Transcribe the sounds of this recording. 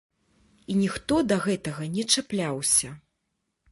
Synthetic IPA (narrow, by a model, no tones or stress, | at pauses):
inʲixt̪ɔd̪ɐɣɛt̪ɐɣɐnʲɛt͡ʂaplʲawsʲɐ